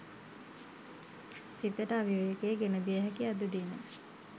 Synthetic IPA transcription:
sit̪əʈəaʋiojekeːɡenəb̪ijəɦækiad̪ud̪inə̰

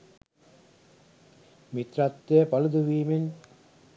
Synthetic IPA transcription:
mit̪ɾat̪ːejəpalud̪uʋiːmen

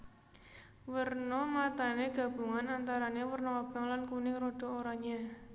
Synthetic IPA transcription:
wərnɔmat̪aneɡ̥ä̤b̥uŋanant̪aɾanewərnoab̥aŋlankunɪŋɾoɖ̥o̤oɾɔɲa

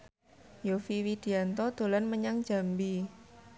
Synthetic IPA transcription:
jofiwid̪̥i̤ant̪ɔd̪̥o̤lanməɲaŋd̥d͡ʒ̥a̤mbi

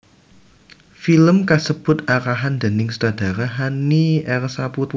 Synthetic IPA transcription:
filəmkasəb̥ʊ̤t̪̚aɾaɦand̪̥ə̤nɪŋsdad̪̥a̤ɾaɦaniʔɛrsaput̪

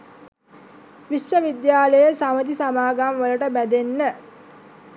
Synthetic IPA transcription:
ʋisʋəʋid̪jaːləjəsamət̪isamaːɡamʋələʈəbæd̪enːə

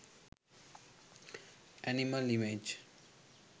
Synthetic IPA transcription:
ʔæniməlimed͡ʒ

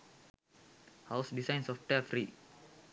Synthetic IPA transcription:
hawsdisajnsɔfʈɛfɾi

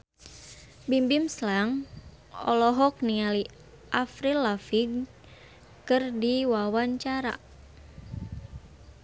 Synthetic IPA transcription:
bimbimslaŋ | ɔ̰lɔɦɔk̚niali | ʔafɾilafiɡ | kɨrdiwawaɲt͡ʃaɾa̰

